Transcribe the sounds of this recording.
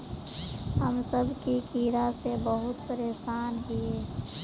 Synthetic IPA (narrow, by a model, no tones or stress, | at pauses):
ɦəmsəbʱkikiːɾasebəɦʊt̪pəɾeːsaːnɦie